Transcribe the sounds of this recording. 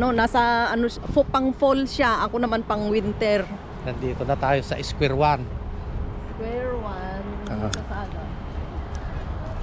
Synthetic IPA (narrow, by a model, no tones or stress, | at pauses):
nonasaɐno | fopaŋfolsaʔɐkonɐmanpɐŋwɪnt̪ɛɾ | nand̪it̪onat̪aːjosaʔɪskwɛɾwan | skwɛɹwannasada